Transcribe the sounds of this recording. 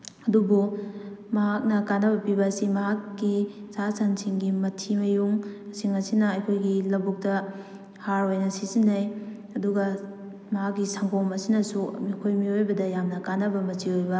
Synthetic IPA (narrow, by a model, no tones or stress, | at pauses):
ɐdubumɐɦak̚nɐkanːɐbɐpibɐːsimɐɦakːisasansiŋɡimɐtʰimɐjuŋsiŋɐsinɐɐjkʰojɡilɐbuk̚tɐ | haɾojnɐsizinːɐj | ɐduɡɐ | mɐɦakːisaŋkʰomɐsinɐsṵmikʰojmiojbɐdɐjamnɐkanːɐbɐmɐt͡ʃiojbɐ